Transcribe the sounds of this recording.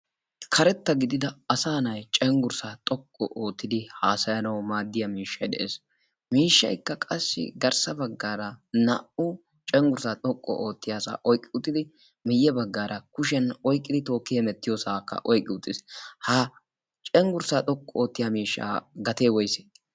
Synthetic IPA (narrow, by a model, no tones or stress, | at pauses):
kʰɐɾɛt̪ːɐɡɪd̪ɪd̪ɐɐsaːnɐjt͡ʃʼɛŋɡʊɾsaːt̪ʼɔkʼːɔ̰ʔoːt̪ːɪd̪ɪhaːsɐjɐnɐwmaːd̪ːɪjɐmiːʃːɐjd̪ɛ̰ʔeːs | miːʃːɐ̰jkːɐkʼɐsːɪ̰ɡɐɾsɐbɐɡːaːɾɐnɐ̰ʔʊ | t͡ʃʼɛŋɡʊɾsaːt̪ʼɔkʼːɔ̰ʔoːt̪ːɪjaːsa̰ːʔɔjkʼːɪʊt̪ʼːɪd̪ɪ | mɪjːɛbɐɡːaːɾʔɐkʊʃ̬ɛnɔjkʼːɪd̪ɪt̪o̞ːkːɪjɛmɛt̪ːɪjoːsaːkːɐ̰ʔɔjkʼːɪʊt̪ʼːɪshɐ | t͡ʃʼɛŋɡʊɾsaːt̪ʼɔkʼːɔo̞ːt̪ːɪjamiːʃːa̰ːɡɐt̪eːwɔjse̥ː